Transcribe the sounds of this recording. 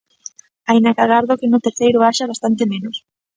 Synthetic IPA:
ajnakaɣaɾðokenʊt̪eɾθejɾoaʃaβast̪ant̪emẽnos

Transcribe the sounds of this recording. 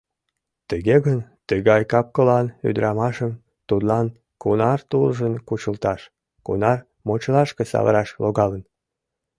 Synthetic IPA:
t̪əɣeɣənt̪əɣɑjkɑp̚kəlɑny̰d̪ɾʔɑmɑʃəm | t̪ut̪lɑn | kunɑrt̪ulʒənkut͡ɕəlt̪ɑʃ | kṵnɑr | mot͡ɕəlɑʃkesɑ̰βə̰ɾɑʃloɣɑlən

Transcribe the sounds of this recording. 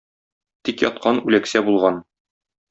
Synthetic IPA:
t̪ikjɒ̰t̪̚qʰɑnʉlæksæbulˠʁɑn

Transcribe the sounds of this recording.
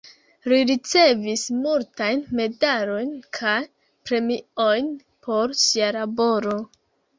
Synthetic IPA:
liɾit͡se̞vismultajnme̞daɾo̞jnkʰaj | pɾe̞mio̞jn | pʰo̞ɾsialabo̞ɾo̞

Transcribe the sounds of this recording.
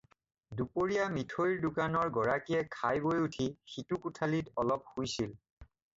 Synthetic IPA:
dupoɹijamitʰojɹdʊkanɔɹɡɔɹakiɛkʰajbojutʰixitukutʰalitɔlɔp̚hujsil

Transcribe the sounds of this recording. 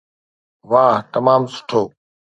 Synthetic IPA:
ʋaːɦt̪əmaːmsʊ̥ʈʰoː

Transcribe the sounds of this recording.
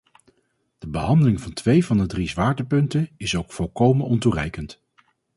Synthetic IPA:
d̥əbəɦɑndəlɪŋvɑntʋejvɑndədrizʋaːɹdəpɵntənɪsowkfɔlˠkowmənɔnturɛjkənt

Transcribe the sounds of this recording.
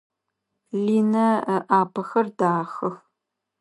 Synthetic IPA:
liːnɐʔaːpʰɐxɐrdaːxɐx

